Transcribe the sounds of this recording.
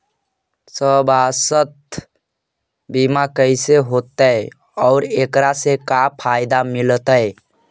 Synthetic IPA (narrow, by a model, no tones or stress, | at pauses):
səbasət̪̚ | bimakəɪseɦot̪əj | ɔːɾekɾasekapʰajd̪amɪlt̪əj